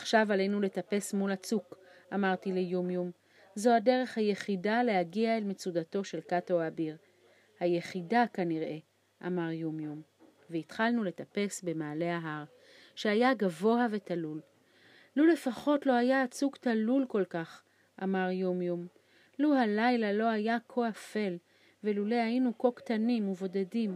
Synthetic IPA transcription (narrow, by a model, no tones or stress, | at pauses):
ḁχʃavalejnule̞tape̞smulat͡sukʔamaʁtilejumjum | zo̞ade̞ʁe̞χhaje̞χidale̞haɡiaelmet͡sudato̞ʃe̞lkatoabiʁ | haje̞χidakaniʁʔe̞ | ʔa̰maʁjumjum | veitχalnule̞tape̞sbe̞maːle̞aɦaʁ | ʃeajaɡavo̞ave̞talul | lule̞faχo̞tlo̞hajaːt͡suɡt̪alulko̞lkaχ | ʔamaʁjumjum | luhalajlalo̞ajakʰoafe̞l | velulehajinuko̞kt̪animuvo̞dedim